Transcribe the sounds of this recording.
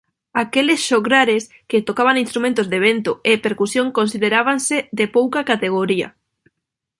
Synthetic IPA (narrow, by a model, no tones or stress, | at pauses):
akelesʃoɣɾaɾes | ket̪okaβaŋinst̪ɾumẽnt̪ozðeβ̞ent̪ʊepeɾkusjoŋkonsið̞eɾaβanseðepowkakat̪eɣ̞oɾiɐ̰